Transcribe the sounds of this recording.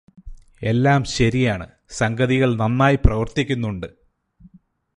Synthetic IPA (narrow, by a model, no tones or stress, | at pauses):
e̞lːaːmɕɐɾijaːɳɨ̰ | sɐŋɡɐðiɣɐɭnɐnːaːjiprɐʋɐrt̪ikʲːunːuɳɖɨ